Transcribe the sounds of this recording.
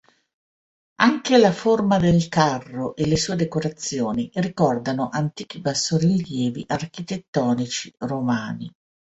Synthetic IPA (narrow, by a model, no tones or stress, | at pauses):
aŋkelaformad̪elkarːoʔelesuːed̪ekoɾat̪sːjoːnirikɔrd̪anoʔant̪iːk̟ibasːoɾiljɛːviʔark̟it̪et̪ːɔːnit͡ʃiromaːnḭ